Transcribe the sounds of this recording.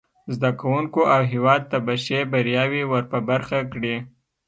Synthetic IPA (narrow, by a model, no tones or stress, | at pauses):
zd̪akawuŋkoʔawɦewɑd̪̚t̪abaʃebaɾjɑwiwəɾpəbaɾxakɽi